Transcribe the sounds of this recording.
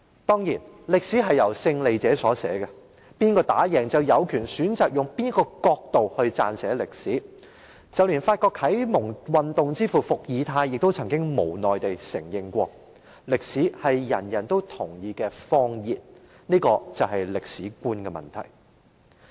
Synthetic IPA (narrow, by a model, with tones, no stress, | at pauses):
t̪ɔː˥ŋjiː˨˩nlɪ˨k̚siː˨˥ɦɐ˨jːɐ˨˩wsɪ˧ŋle˨jt͡sɛː˨˥sɔː˨˥sɛː˨˥kɛ˧ | piː˥nkɔː˧t̪a̰ː˨˥jɛː˨˩ŋt͡sɐ˨wjɐ˨˧wkʰyː˨˩nsyː˨˥nt͡saː˨k̚jʊ˨ŋpiː˥n˥kɔː˧kɔː˧k̚t̪o˨whɵ˧ɥt͡sa̰ː˧nsɛː˨˥lɪ˨k̚siː˨˥ | t͡sɐ˨˩wliː˨˩nfaː˧t̚kɔː˧khʰɐ˨˥jmʊ˨˩ŋwɐ˨nt̪ʊ˨ŋt͡siː˥fuː˨fʊ˨k̚jiː˨˧t̪ʰaː˧jːɪ˨k̚t̪o˥wt͡sʰɐ˨˩ŋkɪ˥ŋmo˨˩wnɔː˨˩jt̪e˨jsɪ˨˩ŋjɪ˧ŋkʷɔː˧ | lɪ˨k̚siː˨˥hɐ˨jjɐ˨˩njɐ˨˩nt̪o˥wt̪ʰʊ˨˩ŋjiː˧kɛː˧fɔː˥ŋjiː˨t̚ | niː˥kɔː˧t͡sɐ˨wɦɐ˨jlɪ˨k̚siː˨˥kuː˥nkɛ˧mɐ̰˨nt̪ʰɐ̰˨˩j